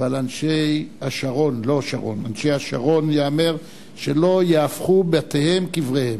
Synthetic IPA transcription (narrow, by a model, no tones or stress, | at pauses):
valanʃejhaʃaʁo̞nlo̞ʃa̰ʁo̞̰nanʃejaʃa̰ʁo̞njaameʁ | ʃe̞lo̞jeafχubatehe̞mkivʁehem